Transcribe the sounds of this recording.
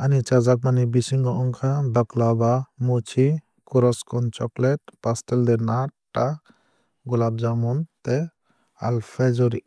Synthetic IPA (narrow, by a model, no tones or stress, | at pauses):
anit͡ʃad͡ʒak̚manibisiŋɡɔʔɔŋkʰad̪ɔklabamut͡ʃʰi | kuɾɔskʰɔnt͡ʃɔklɛʈ̚pastɛld̪ɛnaʈːa | ɡulab̚d͡ʒamɔnt̪ɛ | a̰lpʰed͡ʒɔɾi